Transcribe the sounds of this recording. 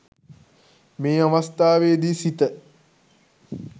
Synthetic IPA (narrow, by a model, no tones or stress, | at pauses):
meːaʋɐst̪aːʋeːd̪iːsit̪ə